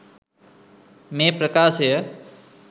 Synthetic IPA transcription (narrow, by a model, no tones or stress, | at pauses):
mẽːpɾəkaːsə